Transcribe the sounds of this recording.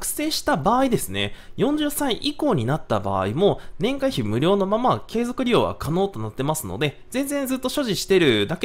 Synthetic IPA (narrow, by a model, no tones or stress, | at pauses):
kɯ̟̥se̞ːɕi̥t̪abaːid̪e̞sɨne̞̰jõ̞ɲ̟d͡ʑɨːsaiʔiko̞ːɲ̟inat̪ːaba̰ːimo̞nẽ̞ŋkaiçimɯ̟ɾʲo̞ːno̞mamake̞ːzo̞kɯ̟ɾʲio̞̰ːβa̰kʰano̞ːt̪o̞nat̪ːe̞masɨno̞̰d̪e̞ | zẽ̞nzẽ̞nd͡zɨt̪ːo̞ɕo̞ʑiɕi̥t̪e̞ɾɯ̟d̪ake